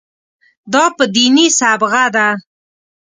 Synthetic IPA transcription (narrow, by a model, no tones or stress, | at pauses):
d̪ɑpəd̪inisabɣad̪a